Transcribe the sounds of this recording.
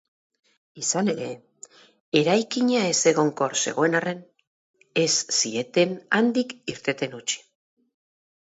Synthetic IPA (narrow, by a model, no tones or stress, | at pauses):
isane̞ɾe̞ | e̞ɾajkiɲae̞se̞ɣ̞o̞ŋko̞ɾse̞̰ɣo̞e̞nare̞n | e̞sːie̞t̪e̞nand̪ikiɾt̪e̞t̪e̞nut͡ʃi̥